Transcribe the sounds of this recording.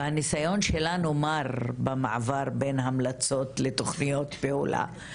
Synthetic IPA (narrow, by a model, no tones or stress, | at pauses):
anisajo̞nʃe̞lanumaʁbema̰ʕavaʁbenɦamlat͡so̞t̪le̞t̪o̞χnijo̞t̪peṵla̰